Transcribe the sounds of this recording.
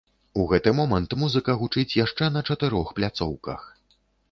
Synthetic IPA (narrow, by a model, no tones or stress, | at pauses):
uɣɛt̪ɨmɔmɐnt̪muzɨkɐɣut͡ʂɨt͡sʲjaʂt͡ʂɛnɐt͡ʂɐt̪ɨɾɔxplʲat̪sɔ̰wkɐ̰x